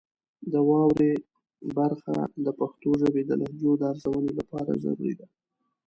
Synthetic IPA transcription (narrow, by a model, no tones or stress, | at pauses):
d̪əwɑwɾe | baɾxa̰d̪əpaxt̪oʒəbed̪əlʔahd̪jod̪əaɾzawənelapɑɾa̰za̰ɾṵɾḭd̪a